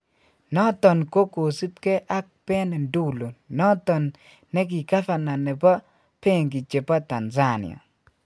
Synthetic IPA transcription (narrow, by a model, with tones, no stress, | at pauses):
nɔ˦tɔ˨nko˦ko˨si˦t̚ke˦ʔa˦k̚pɛ˦nɛ˨ndu˦˨lo˨nɔ˦tɔ˨nː | ɛ˦ɡ̬i˨ka˦fa˨na˨nɛ˨bɔ˦ | pe˦˨ŋɡi˨t͡ʃe˨pa˦ta˨nza˦nɪ̰˨ɔ̰˨